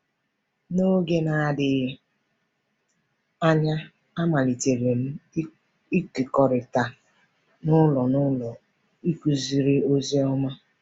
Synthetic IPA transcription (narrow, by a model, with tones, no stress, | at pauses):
no˦ɡe˦na˨a˨dɪ˨ | a˦ɲa˦ | a˦ma˨li˨te˨ɾe˨m̩˦ | i˦kɪ˨kɔ˨ɾɪ˨ta˨ | nʊ˦lɔ˨nʊ˦lɔ˨ | i˦kʷu˨zi˨ɾi˦o˦ze˦ɔ˦ma˦